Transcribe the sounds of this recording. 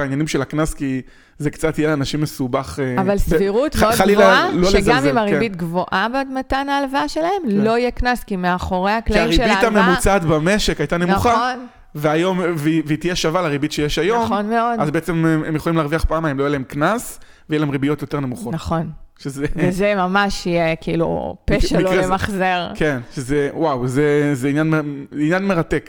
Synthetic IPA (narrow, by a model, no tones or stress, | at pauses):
ainjanimʃe̞laknaski | zekt͡sat̪ijelanaʃimːe̞subaχeavalsviʁut̪oalilloleeɡzmimaʁibit̪ɡvoʔabedmatanaːlvaʃelahemlo̞ijeknaskimeaχo̞ʁe̞akliaʁibitamemut͡sat̪bame̞ʃekajt̪ane̞mnuχaon | veajo̞mveveit̪ijeʃavalaʁibitʃejeʃajo̞monmeo̞dazbeet͡sememjeχolimleaːʁviaχpaːmajemlojelaemknas | vejelahemʁibijo̞t̪jo̞t̪e̞ʁne̞muχonaχo̞nʃezevezemamaʃijekilṵpeʃeileemaχzeʁkenʃezewawzezeinjanmeinjanme̞ʁatek